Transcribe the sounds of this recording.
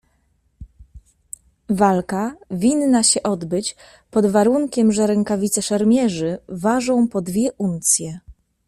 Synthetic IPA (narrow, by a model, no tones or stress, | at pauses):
valkavʲinːaɕɛʔɔd̪bɘt͡ɕ | pɔd̪vaɾuŋkʲɛmʐɛɾɛŋkavʲit̪sɛʂɛɾmʲjɛʐɘvaʐɔ̃w̃pɔd̪vʲjɛʔunt̪sʲjɛ